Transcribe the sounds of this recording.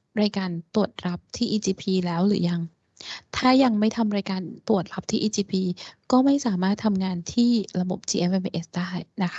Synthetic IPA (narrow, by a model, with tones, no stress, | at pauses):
ɾaː˧jkaː˧nt̪u˨˩ət̪̚ɾa˦˥p̚t̪ʰiː˥˩ʔiː˧t͡ɕiː˧pʰiː˧lɛː˦˥wɾɯː˩˦ja˧ŋ | t̪ʰaː˥˩ja˧ŋma˥˩jt̪ʰa˧mɾaː˧jkaː˧nt̪u˨˩ət̪̚ɾa˦˥p̚t̪ʰiː˥˩ʔiː˧t͡ɕiː˧pʰiː˧kɔː˥˩ma˥˩jsaː˩˦maː˥˩t̪ʰːa˧mŋaː˧nt̪ʰiː˥˩ɾa˧bo˨˩p̚t͡ɕiː˧ʔe˧mʔe˧mʔe˧ʔe˦˥sdaː˥˩jna˦˥kʰa˦˥